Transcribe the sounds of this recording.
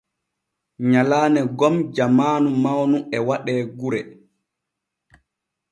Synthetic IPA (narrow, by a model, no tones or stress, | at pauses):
ɲalaːnɛɡɔmd͡ʒamaːnumawnuɛwaɗɛːɡuɾɛ